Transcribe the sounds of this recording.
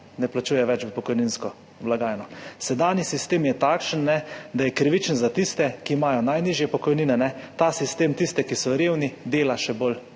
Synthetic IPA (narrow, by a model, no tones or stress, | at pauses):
nɛplat͡ʃuːjɛʋɛt͡ʃʋəpɔkɔjninskɔ | blaɡaːjnɔsɛd̪aːnjisist̪eːmjɛt̪aːkʃənːɛd̪ajɛkɾiʋit͡ʃənzat̪ist̪ɛkiːmajɔnajniʒjɛpɔkɔjniːnɛnɛt̪asist̪eːmt̪ist̪ɛkisɔɾeːwnid̪eːlaʃɛbol